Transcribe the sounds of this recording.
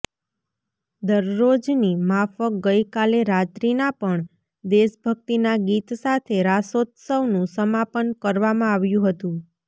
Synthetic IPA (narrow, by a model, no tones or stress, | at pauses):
d̪əɾːod͡ʒnimafək̚ɡəjkaleɾat̪ɾinapəɳ | d̪eʃbʱək̚t̪inaɡit̪sat̪ʰeɾasot̪səʋnũsəmapənkəɾʋamãaʋjũɦət̪ũ